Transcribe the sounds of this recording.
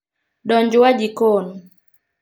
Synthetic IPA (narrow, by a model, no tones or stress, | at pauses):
ɗɔɲd͡ʒʊwad͡ʒikon